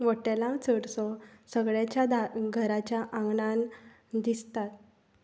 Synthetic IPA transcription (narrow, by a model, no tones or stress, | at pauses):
ʋəʈelãt͡səɽsɔsəɡɭat͡ɕjad̪aɡʱəɾat͡ɕjaʔãŋɡɳan | d̪ist̪at̪̚